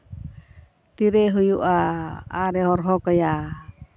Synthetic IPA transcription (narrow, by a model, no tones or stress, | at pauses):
t̪iɾɛɦujuʔaaɾɛɦɔrɦɔkɔja